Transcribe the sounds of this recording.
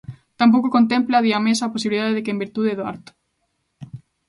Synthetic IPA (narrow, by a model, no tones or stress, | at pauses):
t̪amp̬owkokont̪emplaðiamesaːposiβliðaðeðɪkembiɾt̪uðeðoa̰ɾt̪ʊ̥